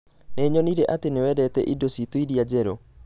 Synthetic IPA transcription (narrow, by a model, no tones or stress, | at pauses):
neːɲɔniɾɛʔatenewɛːdɛtɛʔidositoiɾiad͡ʑɛɾɔ